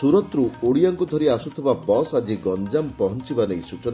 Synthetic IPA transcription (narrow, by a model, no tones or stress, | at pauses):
suɾɔt̪ɾuoɽiaŋkud̪ʱɔɾiasut̪ʰibabɔsad͡ʒiɡɔnd͡ʒampɔɦɔnt͡ʃibanejsut͡ʃɔna